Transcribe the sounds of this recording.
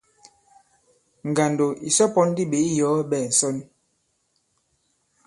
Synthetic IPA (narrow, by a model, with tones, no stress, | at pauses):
ŋ˨ɡa˨ndo˨ʔi˨sɔ˦pɔ˦n˦di˦be˨˦i˦jɔː˨˦bɛ˦˨n̩˨sɔ˦n